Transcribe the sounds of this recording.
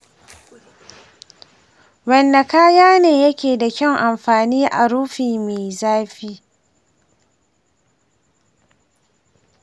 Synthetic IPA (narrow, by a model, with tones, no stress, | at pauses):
wɐ˨nːa˨kaː˦jaː˦neː˨jɐ˦kʲeː˨da˨kʲɐ˦˨ŋʔa˨mɸaː˨niː˦ʔa̰˨ɽuː˦ɸiː˨meː˨zaː˦ɸiː˦